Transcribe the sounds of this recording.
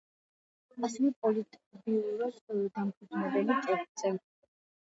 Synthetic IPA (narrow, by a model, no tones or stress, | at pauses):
asɛvɛpʼɔlit̪ʼbiuɾad̪d̪amkʰud̪nɛbɛlit̪ʼɛpt̪sʼɛ